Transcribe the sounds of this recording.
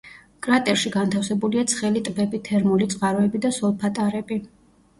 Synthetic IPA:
kʼɾat̪ʼɛɾʃiɡant̪ʰafsɛbuliat̪sʰχɛlit̪ʼvɛbit̪ʰɛɾmulit̪sʼqʼaɾɔɛbid̪asɔlˠpʰat̪ʼaɾɛbi

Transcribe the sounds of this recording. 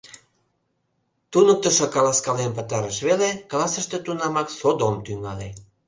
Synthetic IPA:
t̪unək̚t̪əʃokɑlɑskɑlenpət̪ɑɾəʃβeleklɑsəʃt̪et̪unɑmɑksod̪omt̪yŋɑle

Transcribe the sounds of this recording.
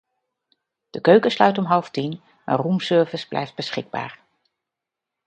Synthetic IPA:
d̥əkøɥkəslœɥtɔmɦɑlˠftin | ə̰rumsɵɹvəzblʔɛ̰jft̚bəsχɪɡ̚ba̰ːɹ

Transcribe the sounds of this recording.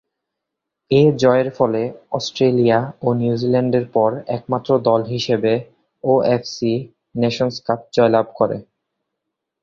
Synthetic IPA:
ed͡ʑɔeeɾfɔleɔsʈɾelijaonjud͡ʑilɛɳɖeɾpɔɾɛk̚mat̪ːɾod̪ɔlɦiʃebe | oefsi | neʃonskap̚d͡ʑɔelab̚ʱkoɾḛ

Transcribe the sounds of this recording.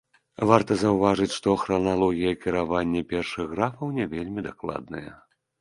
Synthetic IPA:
vart̪ɐzɐwvaʐɨt͡sʲʂt̪ɔxɾɐnalˠɔɣʲijɐkʲiɾavanʲːɐpʲɛrʂɨɣɣɾafɐwnʲɛvʲelʲmʲid̪aklˠa̰d̪nɨjɛ̰

